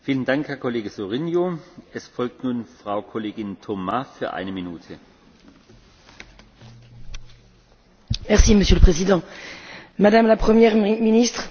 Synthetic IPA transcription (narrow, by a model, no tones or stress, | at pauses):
fiːləndaŋkhɛɐkʰɔleːɡəsoʁinjoɛsfɔlk̚tnuːnfʁ̥aʊkʰɔleːɡɪntʰɔmafyːɐʔa̰ɪnəminuːtʰə | mɛʁsiməsjøləpχezid̪ɑ̃ | mad̪amlapχəmjɛʁminist̪χ